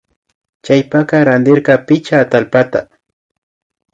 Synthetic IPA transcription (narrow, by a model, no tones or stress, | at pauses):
t͡ʃajpaqɑɾand̪ɪɾqɑpɪt͡ʃaːt̪alpat̪a